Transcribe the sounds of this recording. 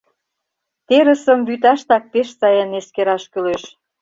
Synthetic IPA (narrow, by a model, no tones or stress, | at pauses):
t̪eɾə̆sə̆mbyt̪ɑʃt̪ɑk̚peʃsɑjɑneskeɾɑʃkøleʃ